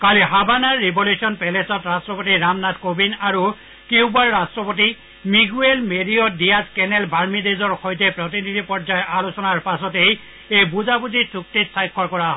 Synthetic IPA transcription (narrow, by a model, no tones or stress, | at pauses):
kaliɦabʱanaɹːiboljusʰiɔnpɛlesɔtɹastɹɔpotiɹamnatkobinaɹu | kiwbaɹːastɹɔpoti | miɡuelmediɔdijazkɛnɛlbʱaɹmidezɔɹxojt̬ɛpɹɔt̬inidʱipɔɹd͡ʒajʔalusɔnaɹpasɔtej | ejbuzabutisuk̚titsajkʰːɔɹkɔɹaɦɔ